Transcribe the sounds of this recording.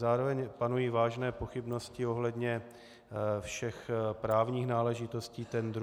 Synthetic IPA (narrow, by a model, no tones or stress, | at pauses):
zaːɾovɛɲpanujiːvaːʒnɛːpo̞xɪbno̞scɪo̞ɦlɛd̪ɲɛ | fʃɛxpɾaːvɲiːxnaːlɛʒɪt̪o̞sciːt̪ɛnd̪ɾ